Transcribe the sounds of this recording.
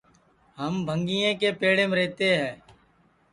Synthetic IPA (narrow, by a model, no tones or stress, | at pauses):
ɦəmbʱəŋɡiːẽːkeːpeːɽẽːmɾeːt̪eːɦɛ̃ː